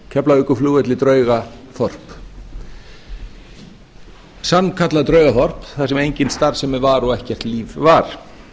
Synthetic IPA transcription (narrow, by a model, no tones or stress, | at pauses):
cʰɛplaʏkʏfluːɣɛt̪lɪt̪ɾœːɥɣafɔr̥p | sanːkʰat̪lat̪ɾœɥɣafɔr̥pθasɛmejɲcɪnst̪aɾsɛmɛvaɾɔɣɛhcɛr̥t̪liːvvaɾ̥